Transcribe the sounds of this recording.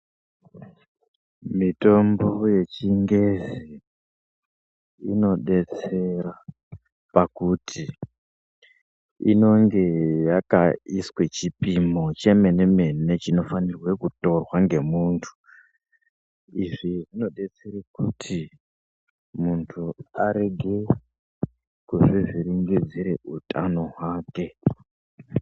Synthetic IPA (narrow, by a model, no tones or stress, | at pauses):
mito̞mbo̞je̞t͡ʃiŋɡezi | ino̞ɗe̞t͡se̞ra | pakutʰi | ḭno̞ŋɡe̞jakaiswe̞t͡ʃipimo̞t͡ʃe̞me̞neme̞net͡ʃino̞fanirwe̞kuto̞rwaŋɡe̞muːntʰu̥ | iʐiʐino̞ɗe̞t͡seɾekutʰi | muntʰuaɾe̞ɡʱe̞ | kuʐiʐiɾiŋɡid͡ziɾe̞utʰano̞ɦwaːke̞